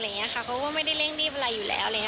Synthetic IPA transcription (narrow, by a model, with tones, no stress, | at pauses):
a˧ŋːi˦˥ɐ˨˩kʰa˥˩kʰa˦˥wkaː˥˩ma˥˩jda˥˩jli˥˩əŋdiː˥˩pa˧lɾa˧jːuː˨˩lʔɛ̰ː˦˥wʔla˧˩ŋi˦˥